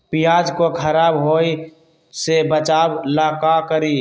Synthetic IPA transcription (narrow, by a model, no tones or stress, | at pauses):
pɪjaːd͡ʒkokʰəɾaːbɦoːi | sebət͡ʃaːblaːkakəɾiː